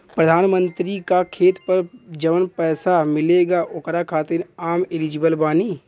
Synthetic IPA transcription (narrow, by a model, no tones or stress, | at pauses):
pɾəd̪ʱaːnmə̃nt̪ɾikakʰeːt̪pəɾd͡ʒəʋənpɛːsamɪleːɡaʔʊkɾakʰaːt̪ɪɾaːmɪlid͡ʒɪbəlbaːniː